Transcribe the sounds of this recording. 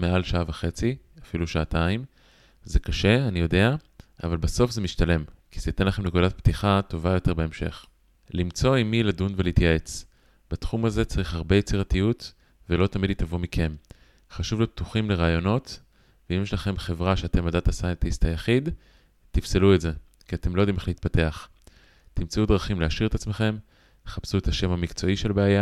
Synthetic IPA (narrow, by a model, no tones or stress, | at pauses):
mealʃaavaχe̞t͡si | afiluʃaːtaim | zekaʃe̞anijo̞de̞a | a̰valbaso̞fzemiʃtale̞mkiz̥ejit̪enlaχe̞mnekudat̚ptiχato̞vajo̞te̞ʁbe̞emʃe̞̰χ | limt͡so̞imiladunveleit̪jae̞t͡s | b̥etχumaze̞t͡saʁiχhaʁbe̞jet͡siʁatijut | velo̞t̪amidit̪avomikʰe̞m | χaʃuvlep̚t̪uχimle̞ʁaːjo̞no̞t̪ | veimjeʃlaχe̞mχe̞vʁaʃeat̪e̞madat̪asajent̪ist̪hajaχid | t̪ifseluetze̞ | kiate̞mlood̪imeleit̪̚pate̞aχ | t̪imt͡sudʁaχimleaʃiʁet̪at͡sme̞χe̞m | te̥χapsuet̪aʃe̞mhamikt͡so̞iʃelbeaja